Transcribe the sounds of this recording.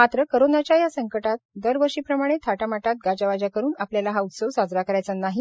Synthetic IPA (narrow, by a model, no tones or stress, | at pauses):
mat̪ɾəkəɾonat͡ɕjajasəŋkəʈat̪̚d̪əɾʋəɾʂiːpɾəmaɽ̃et̪ʰaʈamaʈat̪̚ɡad͡ʑaʋad͡ʑakəɾuːnapljalaɦaut̪səʋsad͡zɾakəɾajt͡sanaɦi